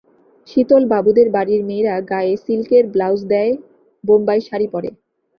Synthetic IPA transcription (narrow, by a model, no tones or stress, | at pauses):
ʃit̪olbabud̪eɾbaɽiɾmeːɾaɡaeesilkeɾblawsd̪ɛe | bombajʃaɾipɔɾḛ